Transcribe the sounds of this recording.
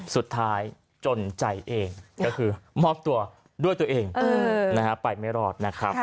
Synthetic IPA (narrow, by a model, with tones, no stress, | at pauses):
su˨˩t̪ʰːaː˦˥j | t͡ɕo˧nt͡ɕa˧˩jʔeː˧ŋkɔː˥˩kʰɯː˧mɔː˥˩t̪u˧ɐ | du˥˩əjt̪u˧˩ɐʔeː˧ŋː˧na˦˥kʰa˦˥pa˨˩jma˥˩jɾɔː˧˩t̪̚na˦˥kʰɾa˦˥p̚